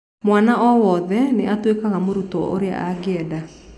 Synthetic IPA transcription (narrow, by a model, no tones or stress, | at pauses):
mwanaʔɔwɔðɛneatwekaɣamoɾutɔ̰ʔo̰ɾea̰ʔaɣɛda